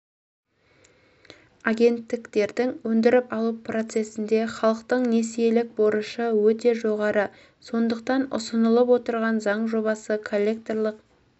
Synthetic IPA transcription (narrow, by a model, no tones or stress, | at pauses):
aɡʲe̞nt̪ːɪkt̪e̞ɾd̪ɪŋwɵnd̪ɪɾɪpɑlˠupʰro̞t̪se̞sɪnd̪e̞χɑlˠəqt̪əɴne̞sijelɪk̚boɾəʃəwɵt̪e̞ʒo̞ʁɑɾə | so̞nd̪əq̚t̪ɑnʊ̰sənəlˠəp̬wo̞t̪əɾʁɑnzɑɴʒo̞bɑsəkʰo̞lʲːe̞k̚t̪o̞rlˠəq